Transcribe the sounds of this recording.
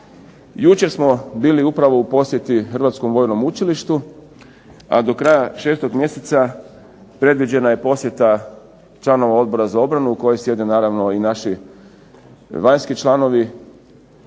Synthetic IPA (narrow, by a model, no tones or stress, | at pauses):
jut͡ʃe̞ɾsmo̞biːliupɾaʋo̞upo̞sjet̪ixərʋaːt̪skomʋo̞jno̞mut͡ʃiliʃt̪u | a̰d̪o̞kɾajaʃe̞ːst̪oɡmje̞set̪sa | pɾe̞d̪ʋid͡ʑe̞naje̞po̞sje̞t̪a | t͡ʃlˠano̞ʋao̞d̪bo̞ɾazao̞bɾanuuko̞josje̞d̪enaːɾaʋno̞inaʃi | ʋaɲnskit͡ʃlˠano̞ʋi